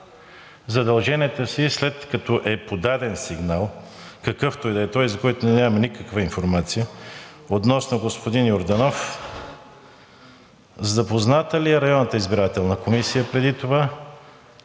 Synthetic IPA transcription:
zɐd̪ɐlˠʒɛnʲiɛt̪əsislɛt̪kɐt̪ɔʔɛpod̪ad̪ɛnsiɡnalˠkɐkɤft̪ɔjd̪əɛt̪ɔjzɐkɔjt̪ʊnɛnʲamɐnikəkvəinfoɾmat̪sijəot̪nɔsnoɡospod̪injoɾd̪ɐnɔf | zɐpoznat̪əliɛɾɐjɔnːət̪əizbiɾat̪ɛlˠnɐkomisijəpɾɛd̪it̪ova

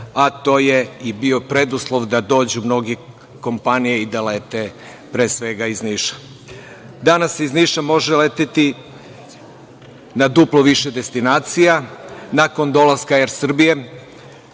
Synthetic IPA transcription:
at̪o̞ːjeibio̞pɾe̞d̪uslˠo̞ʋd̪ad̪o̞ːd͡ʑumno̞ɡe | ko̞mpanijeid̪aleːt̪e | pɾe̞ːsʋe̞ɡaizniːʃḁ | d̪anasizniʃamo̞ʒeleːt̪et̪i | nad̪uplo̞ʋiʃed̪e̞st̪inaːt̪sijanako̞nd̪o̞lˠaskajeɾsr̩bije

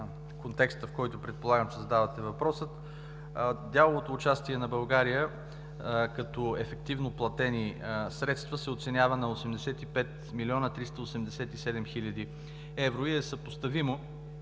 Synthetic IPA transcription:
kont̪ɛkst̪əfkɔjt̪ʊpɾɛt̪̚polˠaɡəmt͡ʃɛzɐd̪avɐt̪ɛvɐpɾɔsət̪ | d̪ʲjalˠovot̪oːt͡ʃast̪iɛnɐbɐlˠɡaɾijə | kɐt̪ɔɛfɛk̚t̪ivnoplˠɐt̪ɛnisɾɛt̪st̪vəsɛot̪sɛnʲjavənɐosɛmd̪ɛsɛt̪ipɛt̪ | milʲiɔnət̪ɾist̪əosɛmd̪ɛsɛt̪isɛd̪ɛmxilʲəd̪i | ɛvɾoiɛsəpost̪ɐvimo

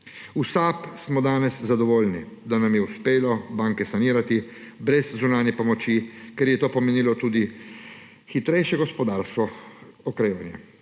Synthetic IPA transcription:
usaːpsmɔd̪aːnɛszad̪ɔʋoːlni | d̪anamjɛuspeːlɔbaːŋkɛsaniːɾat̪i | bɾɛzzunaːnjɛpɔmɔt͡ʃikɛɾjɛt̪oːpɔmeniːlɔt̪uːd̪i | xit̪ɾɛjʃjɛɡɔspɔd̪aːɾskɔ | ɔkɾeːʋanjɛ

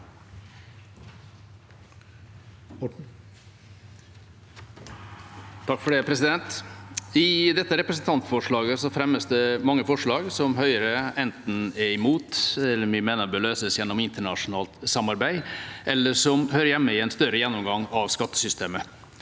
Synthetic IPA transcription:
t̪ʰɑkːfɔɖɛpʰɾɛsɪd̪ɛnt̪ | ɪd̪ɛt̪ːəɾɛpɾəs̬n̩t̪ʰɑnt̪fɔʂɭɑːɡəsɔfɾɛmːəsd̪ɛmɑŋːəfɔʂɭɑːɡsɔmɦœʏəɾəɛnt̪n̩ɛɾɪmuːt̪ɛlːəmɪmeːnəbəløːsəsjɛnːɔmɪnt̪əɳɑʂʊnɑːlt̪sɑmɑɾbæɪʔɛlːəʂɔmhøːɾəjɛmːəɪɛnst̪œɾəjɛnːɔmɡɑŋɑʋskɑt̪ːə̥sʏst̪eːmə

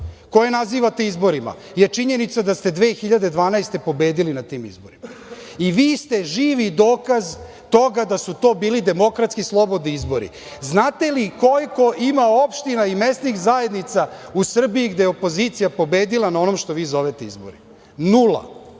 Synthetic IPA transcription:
ko̞jenaziːʋat̪e̞izbo̞ɾima̰ | jet͡ʂiɲe̞nit̪sad̪ast̪e̞d̪ʋeːxiʎad̪e̞d̪ʋaːnaest̪e̞po̞be̞ːd̪ilinat̪iːmḭzbo̞̰ɾimaiʋiːst̪e̞ʒiːʋid̪o̞ːkaz | t̪o̞ɡad̪asut̪o̞ːbiːlid̪e̞mo̞kɾat̪skislˠo̞bo̞d̪niizbo̞ɾḭ | znaːt̪e̞liko̞liko̞ʔimao̞pʃt̪inaime̞st̪nixzaje̞d̪nit̪sausr̩bijiɡd̪ejeopo̞ziːt̪sijapo̞beːd̪ilˠanao̞nomʃt̪o̞ʋiːzo̞ʋet̪e̞izbo̰ɾi | nula̰

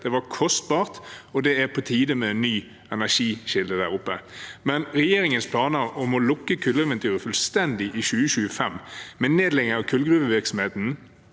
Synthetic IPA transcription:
d̪̥ɛʋɑkʰɔst̪̚bɑːʁt̪ɔd̪ɛæɾpʰɔt̪ʰiːd̪əmɛɛnːyː | ɛnæʂiːʃɪld̪əd̪æːʁʊpːəmɛnɾɛjeːɾɪŋənspʰlɑːnəɾɔmɔlʊkːəkʰʉlːəɛʋɛnt̪ʰyːɾəfʉlst̪ɛnd̪ɪʔɪɕʉːəɕʉːəfɛmmɛneːd̪lɛɡ̪əɾɑkʰʉlɡɾʉːʋəʋɪɾksɔm̩heːt̪n̩

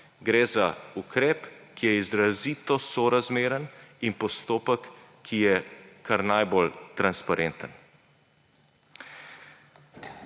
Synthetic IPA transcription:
ɡɾeːzaukɾɛːp | kijɛizɾaziːt̪ɔsɔɾazmeːɾəninpɔst̪oːpəkʰː | ijɛkʰaɾnajbolt̪ɾanspaɾʔɛnt̪ən

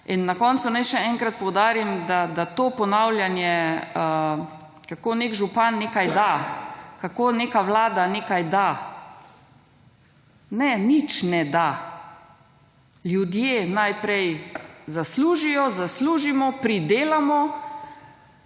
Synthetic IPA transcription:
inːakɔnt̪sunajʃɛɛŋkɾat̪̚pɔwd̪aːɾimd̪ad̪at̪oːpɔnawljanjɛə | kakonekʒupanːekajd̪akakoːnekaʋlaːd̪aneːkajd̪a | nɛnit͡ʃnɛd̪a | ljud̪jenajpɾɛjzasluːʒijɔzasluːʒimɔpɾid̪eːlamɔ

